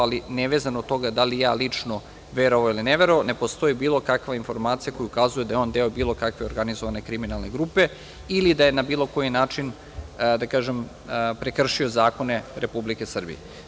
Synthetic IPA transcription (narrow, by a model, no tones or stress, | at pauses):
alineʋezanod̪t̪o̞ɡad̪alija̰ːlit͡ʂno | ʋeɾoʋailineʋeɾoʋane̞po̞st̪o̞jibiːlˠo̞kakʋainfo̞ɾmaːt̪sijako̞juukazujed̪ajeo̞ːnd̪eobiːlˠo̞kakʋe̞oɾɡanizoʋane̞kɾiminalˠne̞ɡɾupe̞ | ilid̪aje̞nabiːlˠo̞ko̞jinaːt͡ʂin | d̪akaːʒem | pɾe̞kr̩ʃio̞zaːko̞ne̞ɾepublike̞sr̩bḭje